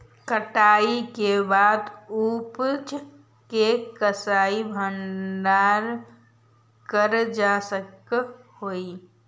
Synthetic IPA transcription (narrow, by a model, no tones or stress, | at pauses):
kəʈaːikebaːd̪upt͡ʃ | kekəsaːibʱənɖaɾ | kəɾd͡ʒasəkhoi